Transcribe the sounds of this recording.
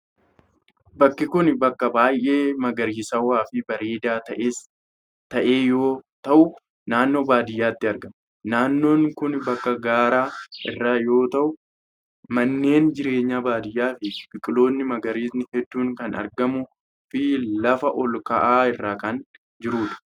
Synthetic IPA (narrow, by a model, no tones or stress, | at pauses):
bɐkːɪkʊnbɐkːɐbaːjʔe̞ːmɐɡɐɾiːsɐwaːfɪbɐɾeːd̪aːt̪ɐʔeːs | t̪ɐʔe̞ːjo̞ːt̪ɐʔʊ | naːnːo̞ːbaːd̪ɪjːaːt̪ːɪɐɾɡɐm | naːnːo̞ːŋkʊnbɐkːɐɡaːɾaːʔɪrːaːjo̞ːt̪ɐʔʊ | mɐnːe̞ːnd͡ʒɪɾe̞ːɲːaːbaːd̪ɪjːaːfɪb̥ɪkʼɪlo̞ːnːɪmɐɡɐɾiːsnɪhɛd̪ːuːŋkɐnɐ̰ɾɡɐmʊ | fɪlɐfɐʔɔlkɐʔaːɪrːaːkɐn | d͡ʒɪɾuːᶑ̪ɐ̥